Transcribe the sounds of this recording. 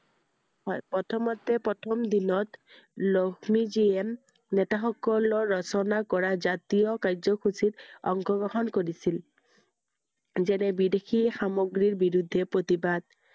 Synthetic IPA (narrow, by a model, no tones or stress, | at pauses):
hɔjpɹɔtʰɔmɔtɛpɹɔtʰɔmd̪inɔt | lɔkʰmiziɛm | nɛtaxɔkɔlɔɹːɔsɔnakɔɹazatiɔkaɹzɔxʰusitɔ̰ŋɡɔɡɹɔɦɔnkoɹisil | zɛnɛbidexʰixamoɡɹiɹbiɹud̪ʱːɛpɹot̪ibad̪̚